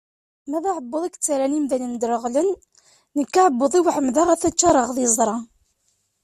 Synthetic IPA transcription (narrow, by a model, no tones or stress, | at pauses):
mæðaʕəbːəðˤikt͡sːaɾænimðænənd̪ɾəʁlənː | əkːaʕəbːəðˤiwħəmðaʁæθæt͡ʃːɑɾˤəʁðˤezˤɾˤɑ